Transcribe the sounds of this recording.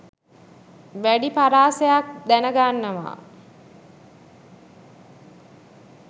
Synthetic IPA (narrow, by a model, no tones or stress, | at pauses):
ʋæɖipaɾaːsejak̚d̪ænəɡanːəʋa̰ː